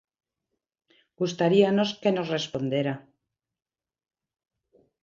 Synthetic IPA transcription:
ɡ̥ust̪aɾiano̞ske̞no̞sre̞spo̞nd̪jeɾa

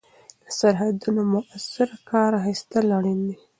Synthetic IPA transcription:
ləsaɾɦad̪unomʊʔasɪɾkɑɾxist̪alaɽind̪i

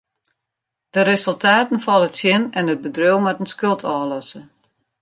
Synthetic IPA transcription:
d̥əɾesəlˠtʰaːtən̩fɔlˠətsjɪnɛnət̚bədrøwmɛtənskølˠtʰɔːlɔsə

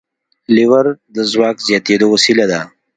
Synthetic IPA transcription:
liwəɾd̪əzwɑːkzjaːt̪ed̪oasilad̪a

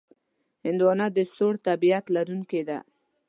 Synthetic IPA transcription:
hɪnd̪wɑnad̪əsoɽt̪abijat̪laɾuŋked̪a̰

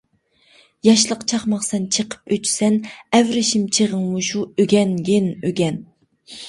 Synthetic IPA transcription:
jɑʃlˠəqt͡ʃʰɑχmɑχsɛnt͡ʃʰəqʰə̥pøt͡ʃsɛnɛvɾɪʃimt͡ʃʰeʁəŋmuʃuøɡʲɛnɡʲenøɡʲɛn

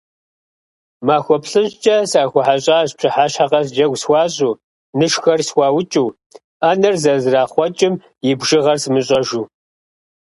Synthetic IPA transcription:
maːxʷɔpɬɨʑt͡ʃʼɐsaːxʷʊħaɕʼaːɕt͡ʃʰɪħaːɕħaqɐs̬d͡ʒɐɡʷswɑːɕʼuː | nɨʃxɐrswʷɑːwʊt͡ʃʼuː | aːnɐrzɐzraːχʷɔt͡ʃʼɪm | jɪbʒɪʁɐrsmɨɕʼɐʒuː

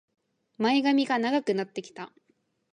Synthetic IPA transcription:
maiɡamʲiɡanaɡakɯ̟nat̪ːe̞kʲi̥t̪a

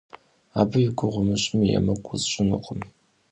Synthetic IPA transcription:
aːbɨɥɪɡʷʊʁʷʊmɨɕʼɪmija̰mɐkʷʼʊzɕʷʼɪnɨ̰qʼəm

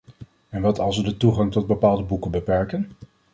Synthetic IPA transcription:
ɛnʋɑtɑlˠs̬ʋədətuχɑŋtɔd̚bəpaːlˠdəbukəbəpɛɹkən

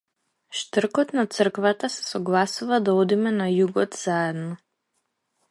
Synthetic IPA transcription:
ʃt̪əɾkɔt̪nat̪səɾ̩kvat̪asɛ̥sɔɡlˠasuvad̪aɔd̪imɛnajuɡɔt̪z̥aɛd̪nɔ

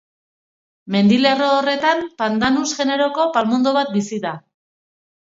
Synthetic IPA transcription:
me̞nd̪ile̞roːre̞t̪ampand̪anusɣe̞ne̞ɾo̞ko̞palmund̪oβat̪̚bisiða

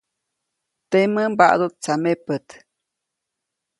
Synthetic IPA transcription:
t̪eməmba̰ʔd̪ut̪̚t͡samepət̪

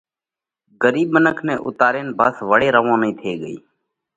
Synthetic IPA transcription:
ɡəɾiːbmənəkʰneːʔʊ̰t̪aːɾeːnbʱəsʋəɽeːɾəʋõːnəĩːt̪ʰeːɠəḭː

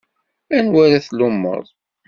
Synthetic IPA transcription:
ænwæɾæθlʊmːə̰ðˤ

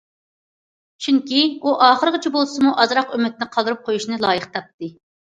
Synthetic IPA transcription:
t͡ʃʰyŋkʲiuʔɑːχəɾəʁət͡ʃʰibolˠsɨmuʔɑzɾɑqømɪt̪̚nɪqʰɑlˠd̪ɨɾup̚qʰojuʃnɨlˠɑːjəχt̪ʰɑp̚t̪ɨ

